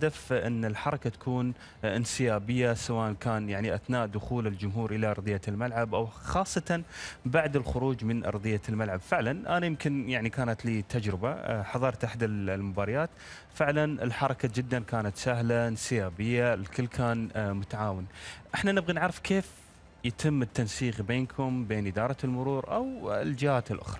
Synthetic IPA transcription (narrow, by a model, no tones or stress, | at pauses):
had̪afʔɪnːɪlħɑɾˤɑkat̪ḁkʰuːn | ʔɪnsɪjaːbɪjːasawaːʔankaːnjaʕniʔaθnaːʔd̪ʊxuːlɪld͡ʒʊmɦuːɾʔɪlaʔɑɾˤd̪ˤɨjːalmalʕabʔawxɑːsˤːɑt̪anbaʕd̪ɪlxʊɾuːd͡ʒmɪnʔɑ̰ɾˤd̪ˤɨjːalmalʕabfɪʕlanʔanajɪmkɪnjaʕnikaːnat̪liːt̪ʰad͡ʒɾɪba̰ħɑðˤɑːɾˤt̪aħd̪allmʊbaːɾɑjaːt̪ | fɪʕlanɪ̰lħɑɾˤɑkad͡ʒɪd̪ːankaːnat̪saɦlansɪjaːbɪjːalkɪlːkʰaːnmʊt̪aʕaːwɪnʔɪħnanɪbɣinɪʕɾɪfkeːf | jɪt̪ʰɪmːɪt̪ːansiːɣbeːnkʰʊmbeːnʔɪd̪ɑːɾˤɑlmʊɾuːɾʔa̰wɪld͡ʒɪhaːt̪ɪlʔʊ̰xɾˤɑ